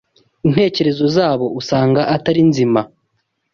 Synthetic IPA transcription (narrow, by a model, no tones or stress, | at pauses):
in̥he̞ːce̞ɾe̞zo̞zaːβo̞usaːŋɡaʔataɾinzima